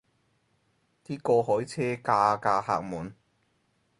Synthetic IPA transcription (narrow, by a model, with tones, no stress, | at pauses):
t̪iː˥kɔː˧hɔː˨˥jt͡sʰɛː˦˥kaː˧kaː˧ha̰ː˧k̚muː˨˩n